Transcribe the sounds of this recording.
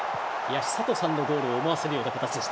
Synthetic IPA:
jaɕi̥sat̪o̞sãnːo̞d̪o̞ːɾoːmaβase̞ɾɯjoːnakat̪at͡ɕid̪e̞ɕi̥t̪

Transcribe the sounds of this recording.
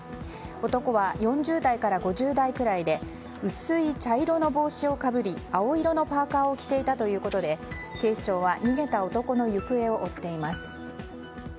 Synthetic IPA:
o̞t̪o̞ko̞βajõ̞ɲ̟d͡ʑɨːd̪aikaɾaɡo̞ʑɨːd̪aikɯ̟ɾaid̪e̞ | ɯ̟sɨit͡ɕaiɾo̞no̞bo̞ːɕio̞kabɯ̟ɾʲiao̞iɾo̞no̞paːkaːo̞kʲi̥t̪e̞it̪at̪o̞jɯ̟ːko̞t̪o̞d̪e̞ke̞ːɕi̥t͡ɕo̞ːβaɲ̟iɡe̞t̪ao̞t̪o̞ko̞no̞jɯ̟kɯ̟e̞o̞ʔot̪ːe̞imasɨ̥

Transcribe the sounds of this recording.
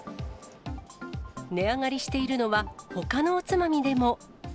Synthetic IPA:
ne̞aŋaɾʲiɕi̥t̪e̞iɾɯ̟no̞βaho̞kano̞ːt͡sɨmamʲid̪e̞mo̞

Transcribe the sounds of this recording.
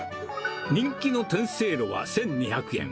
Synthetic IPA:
ɲĩŋkʲino̞t̪ẽɰ̃se̞ːɾoβa̰sẽ̞ɲ̟ɲiçakɯ̟ẽ̞̰ŋ

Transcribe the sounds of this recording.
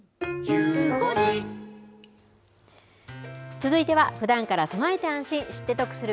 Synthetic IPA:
jɯːkod͡ʑi | t͡sɨzɨit̪e̞βaɸɯ̟d̪ãŋkaɾasonae̞t̪e̞ãɰ̃ɕĩɰ̃ɕi̥t̪ːe̞t̪o̞kɯ̟̥sɨɾɯ

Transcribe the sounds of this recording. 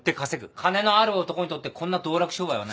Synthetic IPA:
t̪ːekase̞ɡɯ̟kʰane̞no̞aɾɯot̪o̞ko̞ɲ̟it̪o̞t̪ːekʰõ̞nːad̪o̞ːɾakɯ̟ɕo̞ːbaiβa̰na

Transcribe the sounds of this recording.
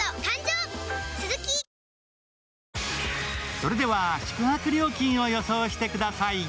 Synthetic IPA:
okãɲd͡ʑoːt͡sɨzɨkʲi | so̞ɾe̞d̪e̞βaɕi̥kɯ̟hakɯ̟ɾʲo̞ːkʲĩɰ̃o̞jo̞soːɕi̥t̪e̞kɯ̟d̪asai

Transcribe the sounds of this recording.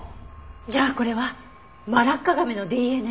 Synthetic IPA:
d͡ʑaːko̞ɾe̞βa | maɾakːaɡameno̞d̪eːenɯ

